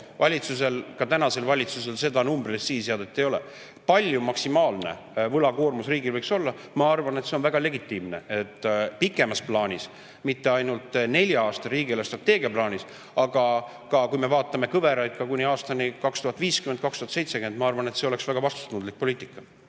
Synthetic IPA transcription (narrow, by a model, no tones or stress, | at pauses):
vɑlʲit̪suse̞lkɑt̪ænɑse̞lvɑlʲit̪sus̬e̞lse̞d̪ɑnumbrid̪essiːsjeɑd̪̥et̪ːˑejo̞le | pɑlʲjumɑksimɑːlne̞̰ | vɤlɑkoːrmusriːɡilvɤjkso̞lːɑ | mɑɑrvɑnet̪se̞o̞nvæɡ̥ɑle̞ɡit̪ːˑiːmne̞e̞t̪ːˑpikːˑe̞mɑsplɑːnʲis | mit̪ːe̞ɑjnult̪ˑne̞lʲjɑɑːst̪ɑɾiːɡilest̪rɑt̪ːe̞ːɡiɑplɑːnʲis | ɑɡ̥ɑ | kɑkujme̞vɑːt̪ˑːɑme̞kɤve̞ɾɑjkːˑɑkunʲiɑːst̪ɑnikɑkst̪uhɑt̪ːˑviːskymend̪̚kɑkst̪uhɑt̪se̞jt̪sekyend̪mɑɑrvɑne̞t̪se̞o̞le̞ksvæɡ̥ɑvɑst̪u̥t̪ːnund̪lik̚po̞liːt̪ːikːˑɑ̥